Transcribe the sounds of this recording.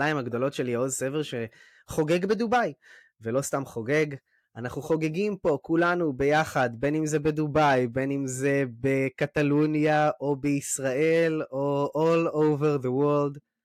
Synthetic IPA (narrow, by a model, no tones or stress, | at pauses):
laimhaɡd̪o̞lo̞tʃe̞liozseveʁʃe | χo̞ɡe̞ɡbe̞d̪ubaj | velo̞st̪amχo̞ɡe̞ɡ | anaχnuχo̞ɡeɡimpo̞kulanube̞jaχad̪be̞nimzebed̪ubajbenimze̞be̞kat̪alunjaʔo̞beisʁaʔe̞loʔolowveʁðewold